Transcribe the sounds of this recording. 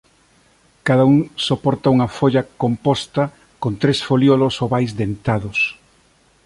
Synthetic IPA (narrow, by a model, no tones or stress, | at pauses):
kaðauŋsopɔɾt̪ɐuŋɐfoʎɐkompɔst̪ɐ | kont̪ɾesfoljolosoβajzd̪ent̪aðʊs